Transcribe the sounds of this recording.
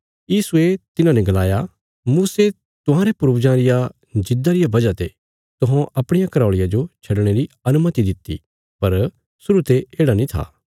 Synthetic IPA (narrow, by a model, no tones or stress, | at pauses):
jiːsuet̪ɪnãnɛ̃ɡɐlaːja | muːse | t̪ʊɦãːɾepʊɾbd͡ʒãɾɪja | d͡ʒɪd̪aɾɪjabɐd͡ʒat̪e | t̪ʊɦãʔɐpɽ̃ɪjakɐɾaːɭɪjad͡ʒot͡ʃʰɐɖɽ̃eɾi | ɐnʊmət̪id̪ɪt̪ːḭ | pɐɾ | sʊɾut̪eeːɽanĩt̪ʰa̰ː